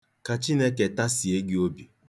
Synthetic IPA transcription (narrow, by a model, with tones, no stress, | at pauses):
ka˨t͡ʃi˦ne˦ke˨ta˦si˨e˦ɡɪ˦o˦bi˨